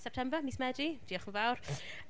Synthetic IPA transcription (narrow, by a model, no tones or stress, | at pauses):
sɛp̚tʰɛmbəmiːsmɛdid̥iːɔχəvawr